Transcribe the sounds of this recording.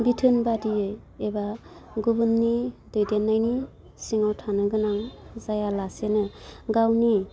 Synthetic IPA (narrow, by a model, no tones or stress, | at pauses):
bitʰɯnbadi | eba | ɡubunːidojdenːajni | siŋawtʰanɯɡɯnaŋzajalasenɯɡawni